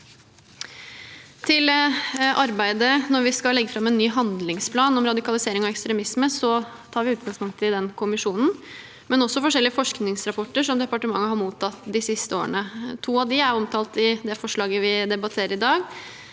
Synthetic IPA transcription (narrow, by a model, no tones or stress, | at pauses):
t̪ʰɪlʔɑɾbæɪd̪ənɔɾʋɪskɑlɛɡːəfɾɑmːɛnːyːɦɑnd̪lɪŋspʰlɑːnɔmɾɑd̪ɪkɑlɪseːɾɪŋɔɛkst̪ɾɛmɪsməsɔ | t̪ʰɑːɾʋɪʉːt̪̚ɡɑŋspʊŋt̪əɪd̪ɛnkʰʊmɪʂuːnn̩ | mɛnɔsːɔfɔʂɛlːɪəfɔʂknɪŋsɾɑpʰɔʈːəʂɔmd̪ɛpɑʈəmɑŋːəɦhɑɾmuːt̪ʰɑt̪ːd̪ɪsɪst̪əoːəɳət̪ʰuːɑʋd̪ɪæɾɔmt̪ʰɑːlt̪ɪd̪ɛfɔʂɭɑːɡəʋɪd̪ɛbɑt̪ʰeːɾəɾɪd̪ɑːɡ